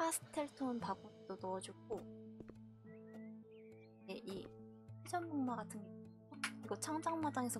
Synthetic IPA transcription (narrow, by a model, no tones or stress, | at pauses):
asʰɯ̥tʰeɭtʰonpaɡunidonʌʌd͡ʑukʰo | jeʔi | pʰed͡ʑʌnmoŋmaɡatʰɯnɡʌ | oiɡʌt͡ɕʰaŋd͡ʑaŋmadaŋe̞sʰʌ